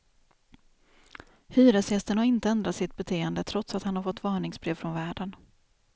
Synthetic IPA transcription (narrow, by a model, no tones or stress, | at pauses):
hyːɾəsjɛst̪ənhaɾɪnt̪əɛnd̪ɾat̪sɪt̪̚bɛt̪ʰeːənd̪ət̪ʰɾɔt̪sat̪hanhaɾfɔt̪ːvɑːɳɪŋsbɾeːvfɾɔnvæːɖən